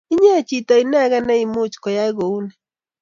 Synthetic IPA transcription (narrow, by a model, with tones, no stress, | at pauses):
i˦ɲeː˦˨t͡ʃi˨tɔ˨i˨nɛ˦ɣɛ˦nɛ˦i˨mʊ˦t͡ʃkɔ˨ja˦i˦ɣo˨u˦nɛ˨